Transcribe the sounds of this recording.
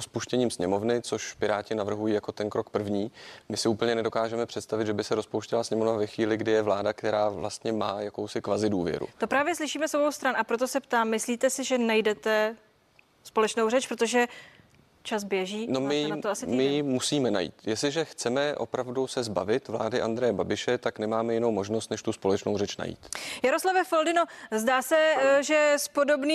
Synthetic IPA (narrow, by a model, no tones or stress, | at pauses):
ospuʃcɛɲiːmsɲɛmo̞vnɪt͡so̞ʃpɪɾaːcɪnavr̩ɦujiːjako̞t̪ɛnkɾo̞kpr̩vɲiːmɪsɪuːpl̩ɲɛnɛdo̞kaːʒɛmɛpr̥ɛt̪st̪avɪd̪ʒɛbɪsɛɾospowʃcɪlasɲɛmo̞vnavɛxviːlɪɡdɪjɛvlaːdakt̪ɛɾaːvla̰st̪ɲɛma̰ːjakowsɪkvazɪduːvjɛ̰ɾṵt̪o̞pɾaːvjɛslɪʃiːmɛsobowst̪ɾanʔapɾot̪̬o̞sɛpt̪aːmːɪsliːt̪ɛsɪʒɛnajdɛt̪ɛ | spo̞lɛt͡ʃnowrɛt͡ʃpɾot̪o̞ʒɛ | t͡ʃasbjɛʒiːnomɪnat̪oasɪtimɪmusiːmɛna̰jḭːt̪jɛslɪʒɛxt͡sɛmɛʔo̞̰pɾavdusɛzba̰vɪt̪vla̰ːdɪʔand̪ɾɛjɛbabɪʃɛt̪aknɛmaːmɛjɪnowmo̞ʒnost̪nɛʃt̪uspo̞lɛt͡ʃnowrɛt͡ʃna̰jḭːt̪jaɾoslavɛfoldɪno̞zdaːsɛʒɛspo̞do̞bniː